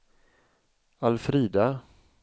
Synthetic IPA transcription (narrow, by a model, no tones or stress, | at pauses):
alfɾiːd̪a